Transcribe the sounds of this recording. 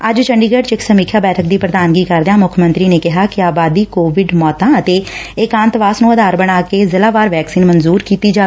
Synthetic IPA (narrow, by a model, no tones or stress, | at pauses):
əd͡ʒt͡ʃəɳɖiːɡəɖt͡ʃɪksəmiːkʰjaːbɛːʈʰək̚d̪iːpɾəd̪aːnɡiːkəɾd̪ejãːmʊkʰmə̃nt̪ɾiːneːkɪɦaːkɪaːbaːd̪iːkoːʋɪɖmɔːt̪ãːət̪eːɪkãnt̪ʋaːsnũːəd̪ʱaːɾbəɽ̃aːkeːzɪlaːʋaːɾʋɛːksiːnmənzuːɾkiːt̪iːd͡ʒaː